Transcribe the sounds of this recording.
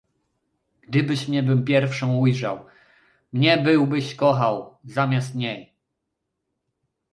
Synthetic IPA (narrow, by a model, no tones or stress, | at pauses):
ɡ̥d̪ɘbɘɕmɲɛbɘmpʲjɛɾfʂɔ̃w̃ujʐaw | mɲɛbɘwbɘɕkɔxawzamʲjast̪ɲɛj